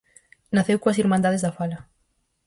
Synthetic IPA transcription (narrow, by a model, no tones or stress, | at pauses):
naθewkoɐsiɾmãnd̪aðezðafalɐ